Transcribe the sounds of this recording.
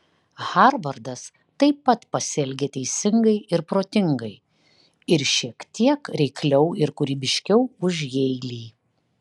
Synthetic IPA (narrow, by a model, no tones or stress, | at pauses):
hɑɾʋɐɾd̪ɐs | t̪ɐɪpːɐt̪pɐsʲɛlʲɡʲeːt̪ʲɛɪsʲɪŋɡɐɪʔɪɾpɾoːt̪ʲɪŋɡɐɪ | ɪɾʃʲiɛkt̪ʲiɛkɾʲɛɪklʲɛʊɪɾkʊɾʲiːbʲɪʃʲkʲɛʊʊʒjɛɪlʲiː